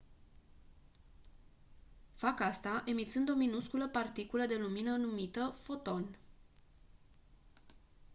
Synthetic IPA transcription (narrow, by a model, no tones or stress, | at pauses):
fakast̪aʔe̞mit̪sɨnd̪o̞minuskuləpart̪ikuləd̪e̞luminənumit̪əfo̞t̪o̞n